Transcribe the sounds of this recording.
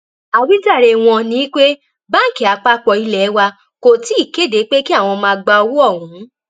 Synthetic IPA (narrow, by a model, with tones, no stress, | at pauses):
a˨wi˦da˦˨ɾe˧˨w̃ɔ̃˧nĩ˦i˦k͡pe˦ | ba˦˨ki˨˦˨a˨˧k͡pa˦k͡pɔ˧i˧lɛ˨˦wa˧ | ko˨ti˦i˦˨ke˦˨de˨˦k͡pe˦ki˦a˦˨w̃ɔ̃˧mãː˧ɡ͡ba˧o˧wu˦ɔ˦˨ɦũ˨˦